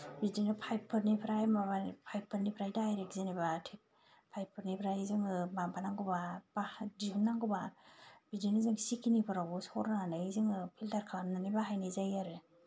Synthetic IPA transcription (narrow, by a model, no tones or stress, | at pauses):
bidinɯpʰajpʰːɯɾnipʰɾajmabapʰajpʰːɯɾnipʰɾajdajɾekzenibatʰi | pʰajpʰːɯɾnipʰɾajzɯŋɯbambanaŋɡubabadiunːaŋɡubabidinɯzɯŋsikʰinipʰɯɾabusɔɾnanazɯŋɯpʰiltaɾkʰananibaɦajnɯzajaɾe